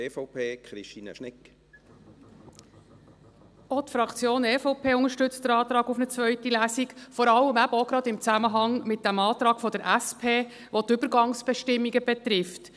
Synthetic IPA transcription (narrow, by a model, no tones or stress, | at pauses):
eːfopʰeːkχɾiʃtiːnə̰ʃnɪk | ot̪fɾɑkʰt͡sjoːneːfopʰeːʊŋəɾʃtʏt͡st̚dəɾɑːt̪ɾɑːɡʊfnət͡svœʏtilæsikfɔɾɑlːəmæbəɔɡɾɑd̪ɪmt͡sæməɦɑŋmɪt̚d̥æmɑːt̪ɾɑːɡ̥fɔd̥əɾʔæspʰeː | ʋot̪ʏb̥əɾɡɑŋsb̥ɛʃtɪmːiɡəbɛtrɪft